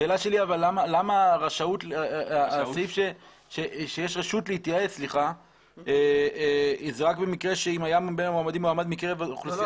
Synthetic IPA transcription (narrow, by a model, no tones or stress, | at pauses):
ʃeːlaʃe̞liavalːamalamaʁaʃautlaasaifʃe | ʃeʃejeʃʁeʃutleitjaaet͡sliχa | e | zeʁakbe̞mikʁe̞ʃeimajambenamoamad̪imoamad̪mikeʁevaχl